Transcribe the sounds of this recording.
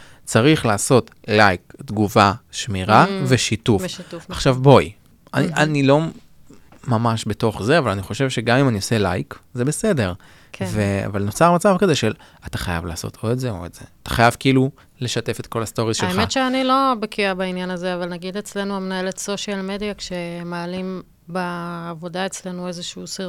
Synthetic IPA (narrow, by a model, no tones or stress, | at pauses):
t͡saʁiχlaːso̞t | lajkd̪ɡuvaʃmiʁaveʃitufʃituaχʃavbo̞j | aniʔanilo̞ | mamaʃbe̞to̞χzeavalaniχo̞ʃe̞vʃe̞ɡamimaniose̞lajkzebe̞se̞de̞ʁ | vea̰valno̞t͡saʁmat͡savkaze̞ʃel | ataχaja̰vla̰ːso̞̰tʰo̞ezeo̰ez̥ḛat̪ḁ̰χajavkiːlu | le̞ʃate̞fet̚ko̞lasto̞ʁizʃeaeχmetʃeanilo̞bekiabainjanazeavalnaɡid̪et͡sle̞nuamenaeletso̞ʃalmedijakʃe̞maːlim | baːvo̞dae̞t͡sle̞nuezeʃusi